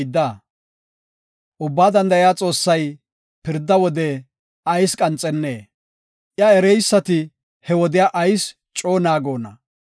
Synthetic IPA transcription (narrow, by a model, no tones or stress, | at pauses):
d̪ːa | ʔʊbːaːd̪ɐnd̪ɐɪjaːt͡sʼo̞ːsːɐj | pɪɾd̪ːɐwɔd̪ɛ | ʔɐjskʼɐnt͡sʼɛnːeː | ʔjɐɛɾɛjsːɐt̪ɪ | hɛwɔd̪ɪjaʔɐjs | t͡ʃʼo̞ːnaːɡo̞ːnɐ̰